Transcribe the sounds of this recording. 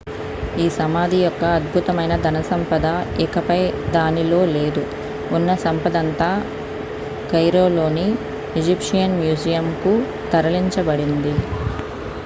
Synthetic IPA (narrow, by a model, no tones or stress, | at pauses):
iːsɐmaːd̪ʱijɔkːɐːd̪̚bʱut̪ɐmɐjnɐd̪ɐnɐsɐmpɐd̪ɐɛkɐpɐjd̪aːnilo̞ːle̞ːd̪u | unːɐsɐmpɐd̪ɐnt̪aː | kɐjɾo̞ːlo̞ːni | id͡ʒipʂijɐnmjuːd͡ʒijɐmku | t̪ɐɾɐliɲt͡ʃɐbɐɽind̪i